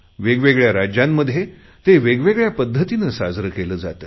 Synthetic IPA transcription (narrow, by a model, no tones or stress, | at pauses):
ʋeɡʋeɡɭjaɾad͡ʑjamːəd̪ʱːje | t̪eʋeɡʋeɡɭjapəd̪ʱːət̪inəsad͡zɾəkeləːd͡zat̪əː